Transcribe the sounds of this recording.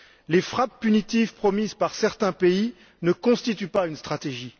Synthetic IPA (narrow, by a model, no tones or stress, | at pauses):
lefχapːynit̪ivpχɔmizpaʁsɛʁt̪ɛ̃pei | nəkɔ̃st̪it̪ypaynst̪χat̪eʒi